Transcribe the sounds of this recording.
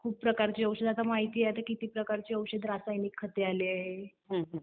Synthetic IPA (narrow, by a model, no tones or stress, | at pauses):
kʰuːp̚pɾəkaɾt͡ɕiːəwɕəd̪at̪amaɦit̪iːet̪əkit̪iːpɾəkaɾt͡ɕiːəwɕəd̪ɾasajnikʰːət̪ealiaɦe | ɦə̃ɦə̃